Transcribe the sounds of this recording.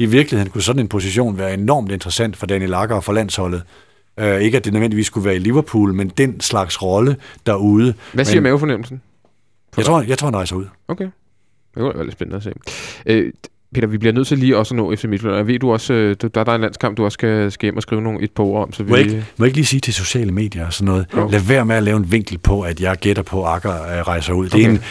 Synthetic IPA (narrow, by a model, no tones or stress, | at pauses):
iʋiɐɡ̥lihe̝nŋkʰusɒ̽d̥n̩e̝npʰo̝siɕo̝̰ːnʋæːɐe̝nɒ̰ːmd̥end̥ʁɐsæn̰d̥fɒ̽d̥ænilɑ̈ɡ̥ɐɒfɒ̽læn̰shɒ̽lð̞̩ˠ | øe̝ɡ̥əæd̥e̝nøðʋend̥iʋḭːskʰuʋæːɐiliʋɐpʰṵːlmend̥enslɑ̈ɡ̥sʁɒ̽ləd̥æɐuːð̞ˠəʋæsiɐmænjofɒ̽nem̰l̩sn̩ | ft͡sʰʁo̰jɑaɪt͡sʰʁo̰ːdeʁɑ̈ɪsuð̰ˠokʰe | j̥eɡ̥udʋæ̰ɐ̰ledsb̥ennəæse̝̰ːʔø | pʰe̝ːd̥ɐʋib̥liɐnøð̰ˠt͡sʰe̝ɐliːɒ̽snɔ̰ːefd̥ɐmid̥flønjæʋe̝̰ːd̥uɒ̽sød̥d̥ɑæɐd̥ɑe̝nlæn̰skʰɑ̈m̰b̥̚d̥uɒ̽sə̥sɡ̥æsɡ̥æjem̰ɒ̽sɡ̥ʁiːʊno̝ːn̩ʔe̝d̥̚pʰoɐɒ̽m̰sɒʋiɡ̥mɔjeɡ̥liːsiːt͡sʰe̝so̝ɕɛ̰ːləme̝̰ːd̥jɐsɒnːɔ̽ːð̞̩ˠlæʋæɐ̰meælɛːʊenʋeŋ̰ɡ̥l̩pʰɒ̽æd̥jɑ̈ɪɡ̥ed̥ɐpʰɒ̽ɑ̈ɡ̥ɐʁɑ̈ɪsɐuð̰ˠd̥een